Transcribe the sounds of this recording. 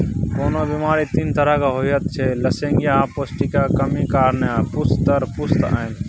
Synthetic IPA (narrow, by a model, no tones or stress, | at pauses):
koːnoːbiːmaːɾiːt̪iːnt̪əɾakaːɦoiɦət̪̚t͡ʃʰeːləsẽːŋɡjãpoːsʈiːkaːkəmiːkaːɾnjaːpʊst̪t̪əɾpʊst̪a̰ːn